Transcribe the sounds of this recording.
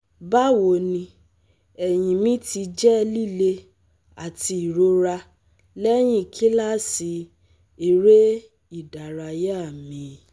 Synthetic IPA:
ba˦wo˨nĩ˧ | ɛ˨j̃ĩ˨mĩ˦ti˧d͡ʒɛ˦˧li˦˨le˧ | a˨ti˧i˨ɾo˧ɾa˧ | lɛ˦j̃ĩ˦˨kʰi˦la˦˨si˨˦ | i˨ɾe˦ | i˦˨da˨ɾa˧ja˦a˦˨mĩ˨˦

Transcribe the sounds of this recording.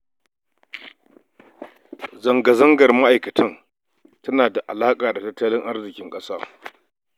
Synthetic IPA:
zɐ˨ŋɡɐ˨zɐ˦ŋɡɐ˨rma˦ʔa˨jkɐ˨tʰɐ˦n | tɐ˦naː˨da˨ʔa̰˨laː˦kʼaː˨da˨tɐ˦tːɐ˦lɪ˦ŋʔa˦rzɪ˨kʲɪ˦ŋkʼɐ˦saː˦

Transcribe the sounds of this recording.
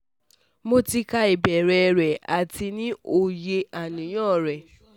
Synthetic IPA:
mo˧ti˧ka˧i˨bɛ˨ɾɛ˨˧ɾɛ˨a˨ti˧nĩ˦o˧je˧a˨nĩ˨˦j̃ɔ̃˦˨ɾɛ˨

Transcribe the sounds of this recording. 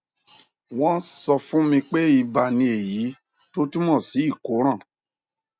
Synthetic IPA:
w̃ɔ̃˦sɔ˧fũ˦mĩ˧k͡pe˦i˧ba˧˨nĩ˧e˨ji˨˦ | to˦ti˦mɔ̃˦˨si˨˦i˦˨ko˨˦ɾ̃ã˦˨

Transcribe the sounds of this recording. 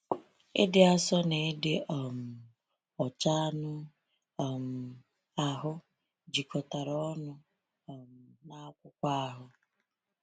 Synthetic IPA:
ɪ̰˦dɪ˦a˦sɔ˦ne˨˦dɪ˦ʔɔ˨m̩˨ | ɔ˨t͡ʃa˦nʊ˦ | ɔ˨m̩˨ | a˨ɦʊ˦ | d͡ʒi˨kʰɔ˨ta˨ɾɔ˦ɔ˦nʊ˦˨ | m̩˨na˦kʷʊ˦kʷa˦a˦ɦʊ˦

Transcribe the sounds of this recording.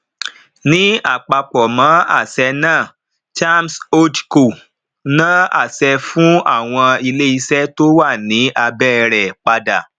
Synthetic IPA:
nĩ˨˦a˦˨k͡pa˧k͡pɔ˨mã˨˦a̰˦˨sɛ˧nãː˦˨ | d͡ʒa˦mso˦dku˨ | nã˦a̰˦˨sɛ˧fũ˦a˦˨w̃ɔ̃˧i˧le˦i˧sɛ˦to˦wa˦˨nĩ˨˦ʔa˧bɛː˦ɾɛ˨k͡pa˧da˨

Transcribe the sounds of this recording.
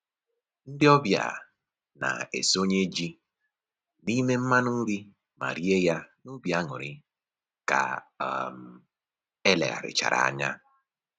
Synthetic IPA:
n̩˦dɪ˦ɔ˦bja̰˨ | na̰˨ḛ˨so˦ɲe˦d͡ʒi˦ | ni˦me˦m̩˦ma˦nʊ˦ɾi˦ | ma̰˨ɾi˦e˦ja˦nʊ˦bja˦ŋʊ˨ɾɪ˦ | ka̰˨m̩˨ | e˦lḛ˨ɣa̰˨ɾɪ̰˨t͡ʃa̰˨ɾa̰˨a˨ɲa˦

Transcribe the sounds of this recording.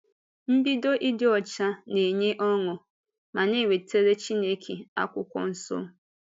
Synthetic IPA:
m̩˦bi˦do˦ʔi˦dɪ˨ɔ˨t͡ʃa˦ne˨ɲe˦ʔɔ˦ŋʊ˨ | ma˨ne˦˨we˨tʰe˦ɾe˦t͡ʃi˦ne˦kʰe˨a̰˦kʷʊ˦kʷɔ̰˦n̩˦so̰˦

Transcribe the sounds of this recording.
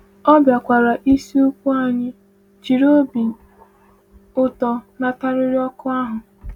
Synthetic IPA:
ɔ˦bja˨kʷa˨ɾa˨ʔi˦si˦ʊ˦kʷu˦a˦˨ɲɪ˦ | t͡ʃi˨ɾo˦bi˨ | ʊ˦tɔ˨na˨ta˦ɾɪ˦ɾi˦ɔ˦kʊ˦a˦ɦʊ˨

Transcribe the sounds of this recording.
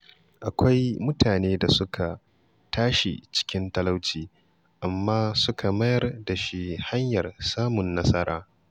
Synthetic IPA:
ʔa˨kʷa˦jmʊ˦tʰaː˨neː˦da˨sʊ˦kʰa˨ | tʰaː˦ʃḭ˨t͡ʃɪ̥˦kʲɪ˦ntɐ˦la˦wt͡ʃiː˨ | ʔa˨mːaː˦sʊ˦kʰa˨mɐ˦jɐ˦˨rda˨ʃi˦ha˦ɲjɐ˨rsaː˦mʊ˨nːɐ˦sɐ˦ɾa̰ː˦

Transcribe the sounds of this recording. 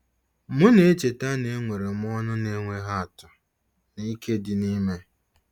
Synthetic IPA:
mʊ˦ne˨˦t͡ʃe˨ta˦ne˦ŋʷe˨ɾe˨m̩˦ɔ˦nʊ˦ne˨˦ŋʷe˨ɦa˦a˨tʊ˨ | ni˦ke˦dɪ˨ni˦me˦

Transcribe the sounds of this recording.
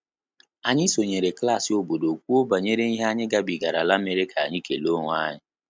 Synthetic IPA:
a˨ɲɪ˦so˨ɲe˨ɾe˨kla˦˨sɪ˨o˨bo˨do˨k̚ʷu˦o˦ba˨ɲe˦ɾe˦i˦ɦe˦a˦ɲɪ˦ɡa˦bi˨ɡa˨ɾa˨la˦me˦ɾɪ˦kʰa˨a̰˨ɲɪ˦ke˨lo˦ŋʷ˦a˦ɲɪ˦

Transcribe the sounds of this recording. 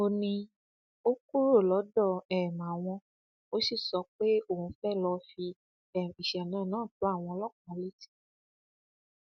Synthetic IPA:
o˧nĩ˧ | o˦ku˦ɾo˦˨lɔ˨˦dɔ˦˨ɛ˨m˨a˨w̃ɔ̃˧ | o˦si˦˨sɔ˧˦k͡pe˦o˦˨ũ˧fɛ˦˨lɔ˧fi˧ | ɛ˨mi˨ʃɛ˨nãː˨˦˨nãː˦˨to˨˦a˦˨w̃ɔ̃˧lɔ˦˨kɔ̃˨˦le˦ti̥˦

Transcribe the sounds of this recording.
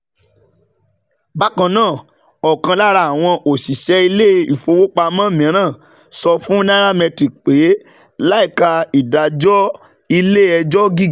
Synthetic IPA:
ba˦kɔ̃˧nãː˦˨ | ɔ˨kã˧la˦ɾa˧˨a˨w̃ɔ̃˧ʔo˨si˨ʃɛ˦i˧le˦i˨fo˧wo˦k͡pa˧mã˦˨mĩ˨˦ɾ̃ãː˦˨ | sɔ˧fũ˦nã˦ɾa˦mɛ̃˧ti˨k͡pe˨˦ | la˦i˦˨ka˧i˨da˨d͡ʒɔ˦ | i˧le˦˨ɛ˧d͡ʒɔ˦ɡi˦˨

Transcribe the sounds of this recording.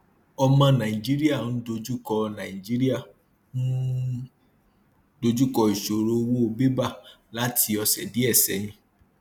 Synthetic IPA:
ɔ˧mã˧nã˨i˨d͡ʒi˦ɾi˦a˦˨ñ̩˦do˧d͡ʒu˦kɔ˧nã˨i˨d͡ʒi˦ɾi˦a˦˨ | ñ̩˦ | do˧d͡ʒu˦kɔ˧i˨ʃo˨ɾo˧wo˦o˧be˦ba˦˨ | la˦tʰi˧ɔ˧sɛ˨di˨˦ɛ˦˨sɛ̰˨˦ɲĩ˧

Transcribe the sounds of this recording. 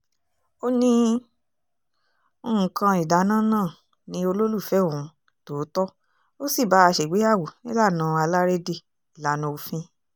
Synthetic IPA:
o˦nĩ˧ | o˧˨ũ˨kã˧i˨da˨˦nãː˦˨nãː˦˨ | nĩ˧o˧lo˦lu˦˨fɛ˨˦˨ũ˨˦ | to˨˦tɔ˦ | o˦si˦˨ba˨˦a˧ʃe˨ɡ͡be˨˦a˦˨wu˨nĩ˦la˦˨nã˨˧a˧la˦ɾe˦de˦˨ | i˨la˨˦nõ˧o˧fĩ˦

